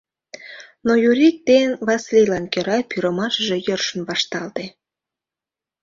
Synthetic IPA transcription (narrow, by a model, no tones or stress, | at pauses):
nojuɾik̚t̪enβɑslelɑnkøɾɑpyɾəmɑʃəʒejørʃənβɑʃt̪ɑlt̪e